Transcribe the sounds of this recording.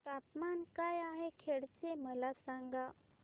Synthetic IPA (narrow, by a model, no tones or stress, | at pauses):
t̪apmankajaɦekʰeɽt͡seməlasaŋɡa